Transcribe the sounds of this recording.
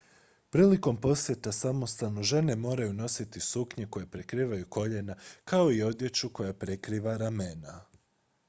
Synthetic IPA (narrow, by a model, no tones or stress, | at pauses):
pɾiːliko̞mpo̞sje̞t̪asamo̞st̪anuʒe̞ne̞mo̞ːɾajuno̞sit̪isukɲeko̞jepɾekɾiːʋajuko̞ʎe̞nakʰao̞io̞d̪je̞t͡ʃuko̞japɾe̞kɾiːʋaɾamena